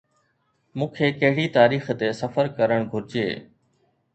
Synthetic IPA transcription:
mũːkʰeːkɐɦɪɽit̪aːɾiːxt̪esɐfəɾkɐɾəɽ̃ɡʱʊɾɪd͡ʑḛː

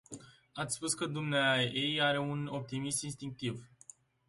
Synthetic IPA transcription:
at̪sʲspuskəd̪umneaejaɾe̞uno̞p̚t̪imist̪inst̪iŋk̚t̪iv

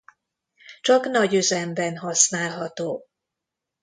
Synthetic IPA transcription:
t͡ʃɒknɒɟøzɛmbɛnɦɒsnaːlɦɒt̪oː

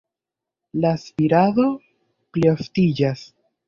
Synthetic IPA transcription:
laːspiɾaðo̞ | plioftid͡ʒas

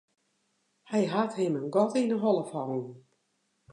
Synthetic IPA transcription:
hɛjɦathɪmənɡɔtinəɦɔlˠəfɔwn

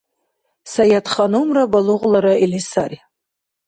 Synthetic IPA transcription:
sajatʰχanɨumrabaluʁlaɾailisar

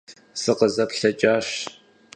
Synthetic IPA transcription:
sɨqəzɐpɬɐt͡ʃʼaːɕ

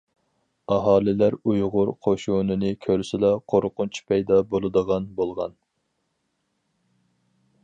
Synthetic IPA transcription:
ɑɦɑːlɪlæɾujʁʊɾqʰoʃunɨnɨkʲʰøɾsɪlɑqʰoɾqʊnt͡ʃʰi̥pʰɛjd̪ɑbolˠɨd̪əʁɑnbolˠʁɑ̰n

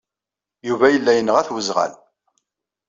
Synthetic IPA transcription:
juvæjəlːæjənəʁæθwəzʁæ̰l

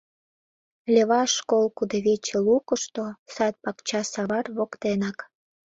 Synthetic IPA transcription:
lʲeβɑʃkolkud̪eβet͡ɕelukəʃt̪osɑt̪̚pɑkt͡ɕɑsɑβɑrβokt̪enɑk

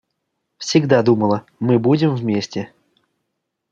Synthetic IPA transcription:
fsʲɪɡd̪ad̪uməlˠə | mɨbudʲɪmvmʲesʲtʲɪ

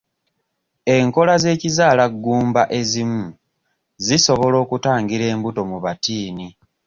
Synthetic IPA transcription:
e̞ŋko̞laze̞ːcizaːlaɡːuːmbaʔe̞zimu | ziso̞βo̞lo̞ːkutaːŋɡiɾe̞ːmbuto̞muβatiːni

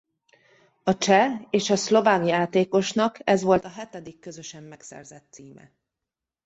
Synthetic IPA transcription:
ɒt͡ʃɛeːʃɒslo̞vaːkjaːt̪eːko̞ʃnɒkʰɛzʋo̞lt̪ɒɦɛt̪ɛd̪ikːøzøʃɛmːɛksɛ̰rzɛt̪ːsiːmɛ̰

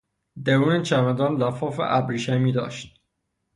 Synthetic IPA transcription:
d̪æɾuːnet͡ʃʰæmæd̪ɒːnlæfɒːfḛʔæbɾiːʃæmiːd̪ɒ̰ːʃt̪̚

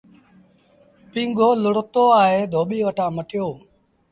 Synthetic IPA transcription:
pĩːŋɡʱoːlʊɽt̪oːaːɦeːd̪ʱoːɓiːʋəʈãːməʈɪjoː

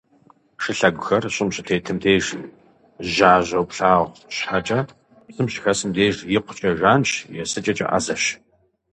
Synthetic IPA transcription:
ʂɨɬɐɡʷʊxɐrɕʼɪmɕʼɪtʰeːtʰɨmdʰeːʒ | ʒaːʑʷɐwpɬaːʁʷɕħat͡ʃʼɐ | sɨmɕʼxɐsɨmdeːʒjɪqʷʰʊ̥t͡ʃʼɐʒaːnt͡ʃjɛsɨt͡ʃʼɐt͡ʃʼɐ̰ʔa̰zɐɕ

